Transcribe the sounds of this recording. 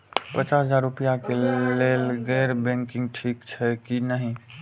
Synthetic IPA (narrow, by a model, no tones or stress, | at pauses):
pət͡ʃasəd͡ʒaːɾɾupijakelelɡəɪɾbɛ̃ŋkɪ̃ŋɡʈʰiːkt͡ʃʰɛkinəɦĩ